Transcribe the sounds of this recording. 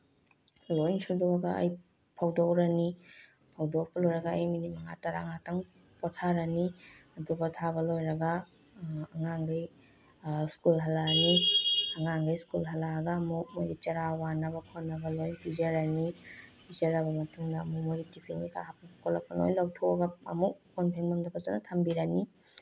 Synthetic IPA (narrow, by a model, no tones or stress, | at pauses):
lojnsuduɐɡaɐ̰j | pʰawdowɾɐni | pʰawdopɐlojɾɐɡaːjminimɐŋa̰taɾa̰ŋataŋ | pɔtʰaɾaniɐdubɐtʰabɐlojɾɐɡa | ɐŋaŋɡaj | skulɦɐlaniɐŋaŋɡajskulɦɐlaɡaːmuk̚mojɾit͡ʃɐɾawanabɐkʰonːabɐlojbizaɾanibizɐɾɐbɐmɐtuŋdɐːmumuɾitipʰɾiŋika̰ɾapapkʰolapano̰jlawtʰoaɡaɐ̰muk̚konpʰeŋmandɐbɐzanatʰambiɾani